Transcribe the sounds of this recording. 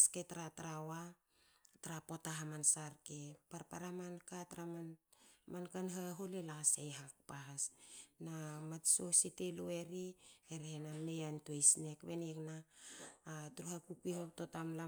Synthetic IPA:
sketɾataɾawa | taɾapo̞taɦamansaɾkepaɾpaɾamankataɾamanmankanɦaɦolelasejɦak̚paɦasnamatso̞siteloe̞ɾiheɾehenamejantuejsne̞kβeneknaː | tɾuhapukihaptotamla

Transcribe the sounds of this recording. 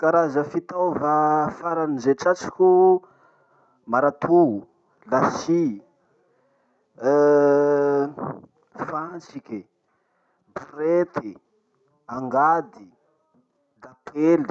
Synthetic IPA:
kaɾazəfit̪awvafaɾanizeʈ͡ʂat͡si̥ku | maɾat̪ʰu | lasi | fansikʲi | buɾet̪ʰi | aŋɡad̪i | latʰeli

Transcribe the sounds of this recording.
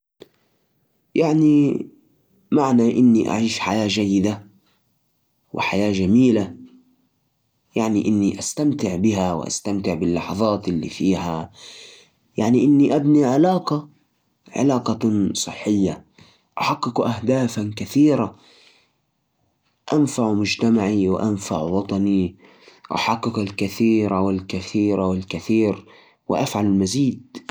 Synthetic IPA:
jaʕni | maʕnaʔɪnːiʔa̰ʕiːʃħa̰jaːd͡ʒajːɪd̪a | wʔɪ̰ħajaːʒamiːla | jaʕniʔɪnːiʔast̪amt̪ɪʕbɪɦawɪ̰ʔa̰st̪amt̪ɪʕbɪlːɑħɑðˤɑːt̪ʔɪlːḭːfiːha | jaʕniʔɪnːiʔabniʕɪlaːqa | ʕɪ̰laːqɑsˤɨħːɪjːa | ʔaħɑqːɪkʔahd̪aːfakaθiːɾa | ʔanfaʕmʊd͡ʒt̪amaʕiwɪ̰ʔanfa̰ʕwɑt̪ˤɑni | ʔa̰ħɑqːɪkalkɪθiːɾʔawɪlkɪθiːɾawɪlkaθiːɾ | wɪ̰ʔafʕalɪlmaziːd̪̚

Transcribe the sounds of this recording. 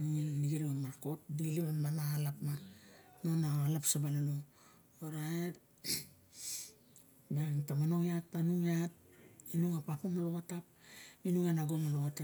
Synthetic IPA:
iniɡiɾiamaɾko̞t̚diiliβamanalapmanonaalapsabalino | oɾaet | nantamano̞ŋatːanuŋiat̚inuŋapapomaloβatap̚inuŋanaɡomaloβate

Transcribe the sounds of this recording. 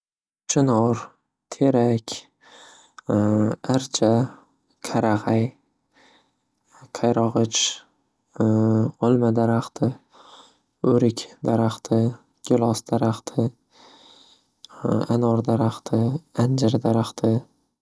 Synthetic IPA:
t͡ʃʰɪnɒɾ | t̪ʰeɾakʲ | aɾt͡ʃʰa | kʰaɾaʁaj | qʰajɾɒʁɨt͡ʃ | ɒlˠmad̪aɾaχt̪ʰɪ | ɵɾɪkʲd̪aɾaχt̪ʰɪ | ɡ̥ʲɪlˠɒsd̪̥aɾaχt̪ʰɪ | anɒɾd̪aɾaχt̪ʰɪand͡ʒɪɾd̪aɾaχt̪ʰɪ

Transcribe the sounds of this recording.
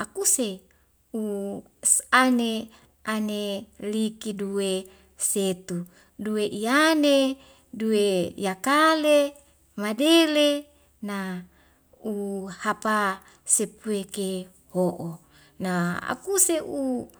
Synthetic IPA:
akuse | u | sane | ʔanelikiduwe | set̪u | duweʔiane | duejakale | madele | na | uhapa | sepueke | hoʔo | naa̰kuseu

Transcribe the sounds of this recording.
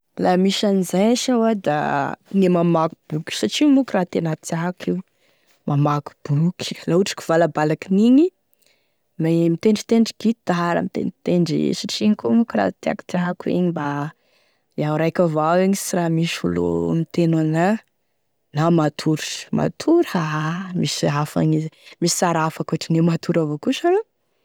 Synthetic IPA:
lamiʃanizajʃawad̪a̰nemamakub̥ukʲi̥saʈ͡ʂimukʲɾat̪enat̪iaɦkiw | mʔamaku̥b̥uki̥lauʈ͡ʂi̥ki̥v̥alabalakiniɲi | memit̪eɳɖ͡ʐi̥t̪eɳɖ͡ʐiɡit̪̚d̪aɦaɾə̰mit̪ḛnt̪eɳɖ͡ʐḭsaʈ͡ʂiɲkomukira̰t̪ea̰ku̥t̪aɦakuḛɲiba | iawɾajkavawiɲisiramisulo̰mit̪enana | namat̪ʰuɾma̰t̪ʰuɾhamisiafa̰ɲizmisi̥saɾafakuaʈ͡ʂinemat̪ʰuɾavokusaɾo

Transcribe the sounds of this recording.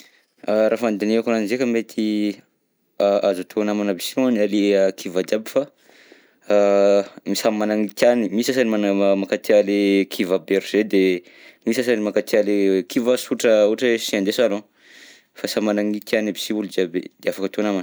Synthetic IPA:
ɾafand̪ineakananizekəmet̪ʰi | aazut̪ʰonamanabisianaleəkʰivad͡ʒiabifa | misamanaŋit̪janimiisas̬aniamakat̪ialekʰivabeɾuz̥ed̪e | misas̬animakat̪ialekivasuʈ͡ʂəuʈ͡ʂeʃiand̪esalo | fasamanaŋit̪ianabisiuld͡ʒiabid̪̥eafakət̪onaman

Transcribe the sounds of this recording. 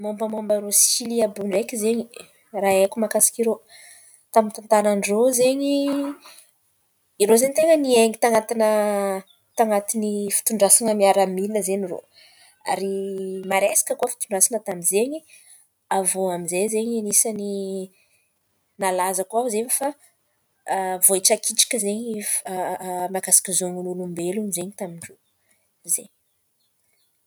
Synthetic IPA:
mombamambaiɾosiliabuɳɖ͡ʐekizeɲi | raekumakasi̥kiɾo | t̪amint̪ant̪ananirozeɲi | iɾozeɲt̪eŋənieŋit̪aŋat̪inə | t̪aŋat̪inifi̥t̪uɳɖ͡ʐasinəmiaɾamilinəzeniro̰ | a̰ɾimaɾesḁkəkuəfi̥t̪uɳɖ͡ʐasinət̪aminzeɲi | avoamizezeɲinisani | nalazəkuauzeɲifa | voiʈ͡ʂakiʈ͡ʂi̥kʲəzeɲi | makasi̥kʲizoŋunulumbelunizeɲit̪amiɳɖ͡ʐo | zeɲ

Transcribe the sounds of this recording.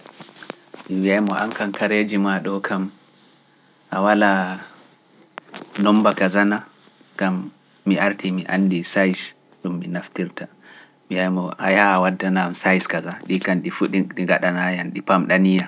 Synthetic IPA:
mimiajmɔʔaŋkankaɾed͡ʒimaɗɔkʰam | ʔawala | nɔmbakazana | ɡamː | iʔaɾtʰimiʔandisajs | ɗumːinaftiɾta | mijajmɔʔa̰jaːwadːanamsajskazaɗikanɗifuɗiɗiŋɡaɗanajanɗipamɗanija

